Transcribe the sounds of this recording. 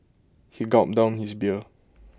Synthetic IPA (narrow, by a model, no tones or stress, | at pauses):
hiɡɔt̚dãʊ̃nhisbiə